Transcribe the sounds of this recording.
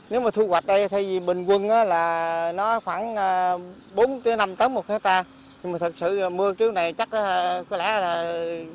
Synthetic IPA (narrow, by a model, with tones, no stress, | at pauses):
ne˨˦wmaː˨˩t̪ʰu˧ɣwa˨˩t̚ɗə˧jt̪ʰa˧jzi˨˩ɓï˨˩ŋ̟kwə˧nʔaː˨˦laː˨˩nɔ˨˦˨xwaː˧˩ŋaː˧ | ɓo˨˦nk̪ə˨˦na˧mt̪əː˨˦mo˨˩t̚kʰaː˨˦jt̪aː˧ | ɲi˨˧maː˨˩t̪ʰɨ˨˩k̚sɨ̰˧˨mɨ˧əki˨˦əwna˨˩jt͡ɕa˦˥k̚ʔa˨˦˧kɔ˨˦lɛ̰˧˥laː˨˩